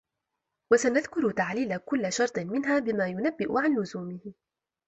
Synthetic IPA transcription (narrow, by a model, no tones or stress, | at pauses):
wasanaðkʊɾt̪aʕliːlakʊlːaʃɑɾˤt̪ˤmɪnɦaːbɪmaːjʊnabːɪʔʊ̰ʕanlʊzuːmɪhɪ